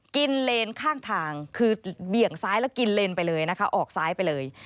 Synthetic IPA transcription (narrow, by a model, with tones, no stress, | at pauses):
ki˧nle˧nkʰaː˥˩ŋt̪ʰaː˧ŋkʰɯː˧bi˨˩əŋsaː˦˥jlɛː˦˥wki˧nle˧npa˧jlɤː˧jna˦˥kʰa˦˥ʔɔː˨˩k̚saː˦˥jpa˧jlɤː˧j